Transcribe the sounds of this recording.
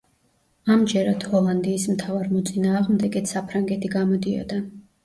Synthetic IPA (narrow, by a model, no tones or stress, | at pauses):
amd͡ʒɛɾad̪hɔlˠand̪iːsmt̪ʰavaɾmɔt̪sʼinaːʁmd̪ɛɡɛt̪ʰsapʰɾaŋɡɛt̪ʰiɡamɔd̪iɔ̰d̪a